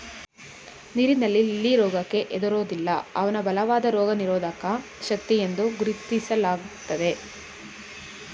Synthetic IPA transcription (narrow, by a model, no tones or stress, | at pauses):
niɾinɐlːilːiɾɔːɡɐkːe̞ʔed̪ɐɾoːd̪ilːɐɐ̰ʋɐnɐbɐlɐʋaːd̪ɐɾɔːɡɐniɾɔːd̪ʱɐkɐ | ʃɐk̚t̪ijend̪uɡuɾit̪isɐlaːɡut̪ːɐd̪e̞